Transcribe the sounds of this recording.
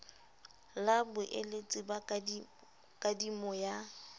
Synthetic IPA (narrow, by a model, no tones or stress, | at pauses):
labʊʔelet͡sʼɪba | kʼadimɔja